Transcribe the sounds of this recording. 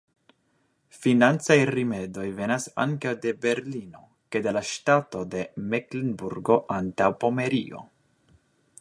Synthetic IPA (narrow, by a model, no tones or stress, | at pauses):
finant͡sajɾime̞dojve̞nasa̰ŋkawde̞be̞ɾlino̞̰ | kedelaʃtato̞de̞meklinbuɾɡo̞ʔantawpo̞me̞ɾio̞̰